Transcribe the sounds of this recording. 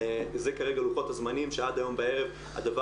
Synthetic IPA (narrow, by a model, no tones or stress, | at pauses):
zekaʁe̞ɡaluχo̞t̪hazmanimʃead̪ajo̞mbaeʁe̞v | a̰d̪ava